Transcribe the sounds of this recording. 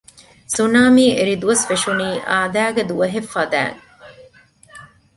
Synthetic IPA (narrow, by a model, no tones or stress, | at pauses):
sunaːmiːeɾid̪uʋɐsfeʂuniːʔaːd̪æːɡed̪uʋɐɦefːɐd̪æ̰ːŋ